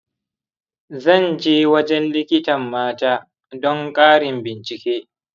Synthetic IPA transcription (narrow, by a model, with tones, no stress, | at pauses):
zɐ˦˨nd͡ʒeː˦wɐ˦d͡ʒɛ˦nlɪ˦kʲɪ˦tɐ˨mːaː˦taː˦ | dɔ˦ŋkʼaː˦ɽɪ˨mbɪ˨nt͡ʃɪ˨kʲeː˦